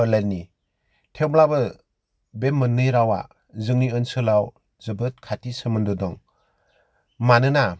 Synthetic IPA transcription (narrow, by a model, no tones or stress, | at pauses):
lenːi | tʰewmlabɯ | bemːɯnɯjɾawa̰ | zɯŋniɯnsɯlaw | zɯbɯt̚kʰatisɯmɯndɔdɔŋ | manɯna